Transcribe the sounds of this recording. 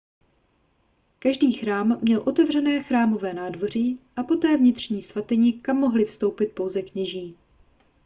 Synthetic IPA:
kaʒdiːxɾaːmːɲɛlʔo̞t̪ɛvrɛnɛːxɾaːmo̞vɛːnaːdvo̞r̝iːʔapo̞t̪ɛːvɲɪt̪r̝̥ɲiːsvat̪ɛɲikamːoɦlɪfst̪o̞wpɪt̪̚po̞wzɛkɲɛʒiː

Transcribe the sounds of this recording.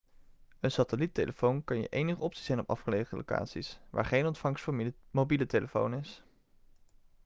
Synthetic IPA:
ənsatəlitejlʔəfownkɑnjə̰ʔejnəχəɔpsi̥z̥ɛjnɔpɑ̰fχəlejχəlo̰wka̰ːtsisʋa̰ːɹχejnɔntfɑŋsfmowbiləteləfo̰wnɪs

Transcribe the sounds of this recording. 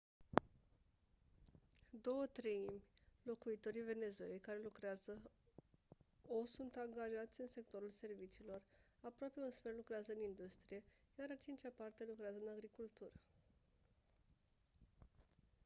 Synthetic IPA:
d̪o̞wət̪ɾejimʲlo̞kuit̪o̞ɾive̞ne̞zue̞lejkaɾe̞lukɾeazə | osunt̪aŋɡaʒat̪sʲɨnse̞k̚t̪o̞ɾulse̞rvit͡ʃiːlo̞rapɾoape̞unsfe̞rlukɾeazəɨnind̪ust̪ɾije̞jaɾat͡ʃint͡ʃapart̪e̞lukɾeazəɨnaɡɾikult̪uɾə

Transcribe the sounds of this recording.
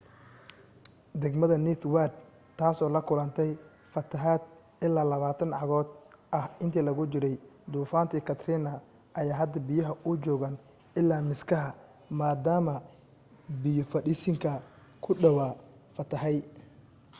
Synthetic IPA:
d̪ɛɡmɐðɐniːt̪ʰwad̪ | t̪ʰːaːsɔːlɐkʰʊlɐnt̪ʰɛj | fɐt̪ʰɐɦaːd̪̚ | ɪlːaːlɐβaːt̪ʰɐnʕɑɣɔːd̪ʔɐhɪnt̪ʰiːlɐɣʊt͡ʃɪɾɛjd̪uːfaːnt̪ʰiːkʰɐt̪ʰɾɪnɐ | ʔɐjaːɦɐd̪ɐbɪjɐɦɐʔʊd͡ʒɔːɣan | ɪlːaːmɪskʰɐɦɐ | maːd̪aːmɐ | bɪjʊfɐɗɪsɪŋkʰɐ | kʰʊɖɐwaː | fɐt̪ʰɐhɛj

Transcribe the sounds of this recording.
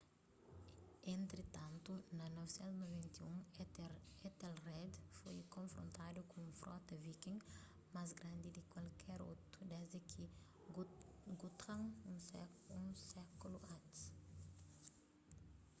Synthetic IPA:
ẽnt̪ɾet̪ãnt̪unɐnɔvesɛ̃nt̪unovɛ̃nt̪iũŋeet̪ɛlrɛd̪fojkõɱfɾõ̰nt̪ad̪ukõũfɾɔ̰t̪ɐvikĩŋ | masɡɾãnd̪id̪ikwalkʰɛɾo̰wt̪ud̪ɛzd̪ekʰi | ɡut̪ɾãŋusɛũnsɛkuluat̪s

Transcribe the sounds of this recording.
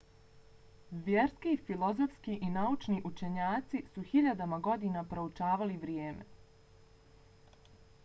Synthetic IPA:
ʋjeɾskifilo̞zofskiʔinaut͡ʃniʔut͡ʃe̞ɲaːt̪sisuxiʎad̪amaɡo̞d̪iːnapɾo̞ut͡ʃaːʋaliʋɾjeːmḛ

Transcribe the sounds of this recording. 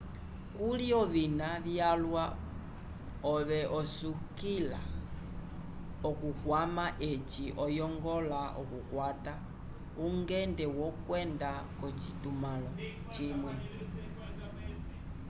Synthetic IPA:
kuliɔβinaβjalwa | ɔβɛʔɔsukila̰ | ɔkukwamaʔet͡ʃiʔɔjɔŋɡɔlaʔɔ̰kukwata | uŋɡɛndɛwɔkwɛndakɔt͡ʃitumalɔ | t͡ʃimwɛ

